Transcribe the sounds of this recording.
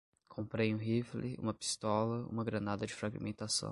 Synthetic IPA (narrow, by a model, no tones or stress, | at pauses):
kʰõmpɾejũɦiflɪṵ̃mɐpi̥st̪ɔlɐṵ̃mɐɡɾɐnad̪ɐd͡ʒɪfɾaɡimẽnt̪asɐ̰̃w̃